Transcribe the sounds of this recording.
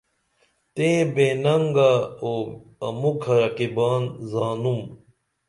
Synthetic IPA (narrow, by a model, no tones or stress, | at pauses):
t̪ẽːbeːnɐŋɡaoːɐ̰mukʰɐɾɐkibaːnzaːnum